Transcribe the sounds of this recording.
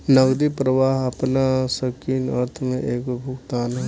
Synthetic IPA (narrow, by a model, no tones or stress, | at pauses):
nəɡd̪ipɾəʋaːɦɐpnasəkiːnə̰ɾt̪ʰmẽʔeːkbʱʊkt̪aːnɦɛ